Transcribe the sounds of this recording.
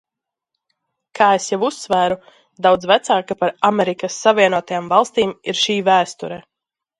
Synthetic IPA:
kʰaːesjavusːvæːɾu | d̪awd̪zvæt̪saːkapaɾamɛɾikɐsːavʲiɛnuɔt̪ajaːmvɑlˠst̪iːmiɾʃiːvæːst̪uɾɛ

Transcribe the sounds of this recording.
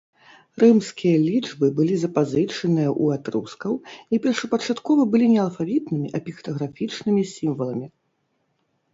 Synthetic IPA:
rɨmskʲijɐlʲid͡ʐbɨbɨlʲizɐpazɨt͡ʂɐnɨjɐʔuat̪ɾṵskɐwipʲɛrʂɐpɐt͡ʂat̪kɔvɐbɨlʲinʲɛɐlˠfavʲit̪nɨmʲiʔɐpʲixt̪ɐɣɾafʲit͡ʂnɨmʲisʲimvɐlˠɐmʲi

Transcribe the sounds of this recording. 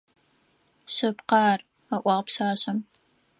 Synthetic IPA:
ɕɐpqɑːr | ɐʔʷɑːʁpɕaːɕɐm

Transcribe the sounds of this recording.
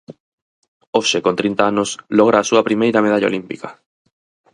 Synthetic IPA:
oʃekont̪ɾint̪aanoslɔɣ̞ɾaːsuɐpɾimejɾɐmeð̞aʎao̰limpikɐ

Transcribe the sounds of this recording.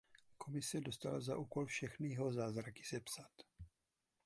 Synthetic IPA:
kʰo̞mɪsɛdo̞st̪alazaʔuːko̞lfʃɛxnijɛɦo̞zaːzɾakɪ̥sɛpsat̪

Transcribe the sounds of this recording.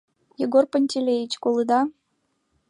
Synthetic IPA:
jeɡorpənʲtʲelʲejit͡ɕkolˠɨd̪ɑ

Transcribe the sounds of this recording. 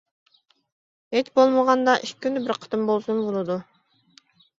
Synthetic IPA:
et͡ʃbolˠmoʁɑnd̪ɑʔiʃkynybiɾqʰɑ̥t̪ɯmbolˠsunbulˠud̪u

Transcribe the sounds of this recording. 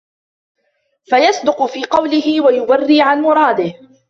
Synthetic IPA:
fajɑsˤd̪ʊqʊfiːqɑwlɪhɪwajʊbarːiːʕanmʊɾˤɑːd̪ɪh

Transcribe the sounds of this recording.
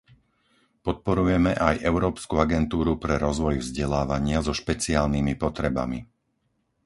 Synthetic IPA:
pɔt̪̚pɔɾujɛmɛʔajʔɛʊɾɔːpskuaɡɛnt̪uːɾupɾɛɾɔzʋɔjvzɟɛlaːʋaɲɪazɔʃpɛt͡siaːlnimipɔt̪ɾɛba̰mi

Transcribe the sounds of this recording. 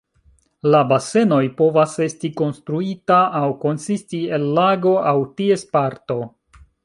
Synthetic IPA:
labase̞no̞jpo̞vase̞stiko̞nstɾuitaʔːwko̞nsistie̞lːaɡo̞ʔawtie̞spaɾto̞

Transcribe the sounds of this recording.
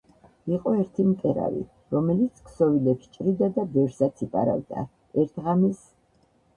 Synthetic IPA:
iqʼɔɛɾt̪ʰimt̪ʼɛɾa̰vḭ | ɾɔmɛlit̪sʰkʰsɔvilɛpʃt͡ʃʼɾid̪ad̪abɛvɾsat̪ʰipʼa̰ɾa̰vd̪a̰ | ɛɾt̪ʰʁamis

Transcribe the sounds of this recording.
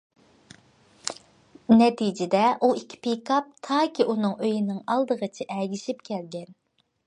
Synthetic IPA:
nɛt̪ʰid͡ʒɪd̪ɛʔuikʲʰːi̥pikʰɑp̚t̪ʰɑːkʲiʔunɨŋøjinɪŋɑlˠd̪əʁət͡ʃʰɪʔɛɡʲiʃip̚kʲʰɛlɡʲɛn

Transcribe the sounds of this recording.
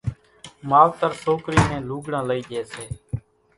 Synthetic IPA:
maːʋt̪əɾsoːkɾiːnẽːluːɡɽãːləiːd͡ʒeːseː

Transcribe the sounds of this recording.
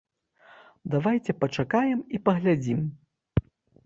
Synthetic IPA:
d̪avajt͡sʲɛpɐt͡ʂakajɛmipɐɣlʲad͡zʲim

